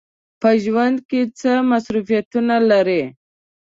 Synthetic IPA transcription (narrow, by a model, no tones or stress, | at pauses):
pəʒwand̪̚ket͡səmasɾufijat̪unalaɾe